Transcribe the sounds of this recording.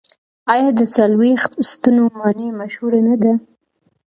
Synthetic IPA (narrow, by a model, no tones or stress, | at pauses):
ɑjɑd̪ət͡salwext̪st̪unomɑnemaʃhuɾanad̪a